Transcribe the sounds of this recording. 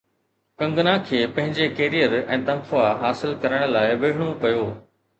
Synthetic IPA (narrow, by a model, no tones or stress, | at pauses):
kɐ̃ŋɡnãkʰeːpɐ̃ɦɪ̃ɲd͡ʑekeːɾijəɾɛ̰̃ːt̪ɐ̃nkʊaɦaːsɪlkɐɾəɽ̃̆laːɪʋɐɽɪɽ̃opɐjoː